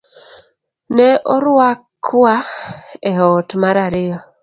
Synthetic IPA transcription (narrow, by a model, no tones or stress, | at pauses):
nɛʔɔɾwakʰːaeɦɔtmaɾaɾɪɔ